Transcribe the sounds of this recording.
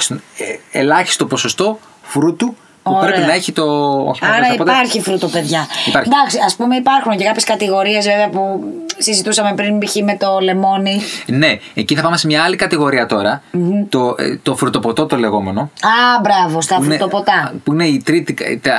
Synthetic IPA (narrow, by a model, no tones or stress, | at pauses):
st̪unelɐçi̥st̪o̞po̞so̞st̪o̞ | fɾut̪u | uopɾeeinɐeçit̪o̞o̰çiɐɾɾɐipot̪ɐɾçifɾut̪ope̞ðʝɐipɐɾd̪ɐksiɐspume̞ipɐɾxunce̞kɐpçeskɐt̪iɣo̞ɾie̞zveveɐpusizit̪usɐmepɾinbiçime̞t̪o̞le̞mo̞nine̞eciθɐpɐmesemɲɐɐlikɐt̪iɣo̞ɾiɐt̪o̞ɾɐm̩t̪ot̪o̞fɾut̪o̞po̞t̪o̞t̪o̞le̞ɣo̞me̞no̞ɐbɾɐvost̪ɐfɾnet̪opot̪ɐpuine̞it̪ɾit̪ikt̪